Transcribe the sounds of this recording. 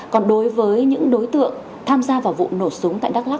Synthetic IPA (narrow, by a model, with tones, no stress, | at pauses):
kɔ˨˩nɗo˨˦jvəː˨˦jɲɨ̰˧˥ŋɗo˨˦jt̪ɨ̰˧˨əŋ | t̪ʰaː˧mzaː˧vaː˨˩wvṵ˧˨no˧˩sʊ˨˦ŋ͡mt̪a̰ː˧˨jɗaː˦˥k̚laː˦˥k̚